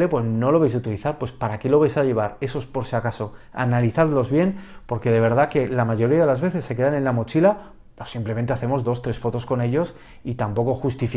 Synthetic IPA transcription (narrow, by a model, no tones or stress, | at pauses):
epwe̞zno̞lo̞β̞ejs̬ut̪iliθaɾpwe̞spaɾake̞lo̞β̞ajsaʎe̞βaɾe̞so̞spo̞ɾsiakaso̞ | a̰naliθaðlo̞zβje̞npo̞ɾke̞ð̞e̞β̞e̞ɾð̞ake̞lamaʝo̞ɾiaðeazβe̞θe̞sːe̞k̬eðanẽ̞nlamo̞t͡ʃila | osimplemnt̪e̞aθe̞mo̞zðo̞st̪ɾe̞sfo̞t̪o̞sko̞ne̞ʎo̞s | it̪ampo̞ko̞xust̪if